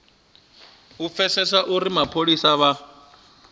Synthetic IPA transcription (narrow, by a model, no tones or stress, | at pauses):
up̪fɛsɛsaʔuɾimapʰoɺisaβa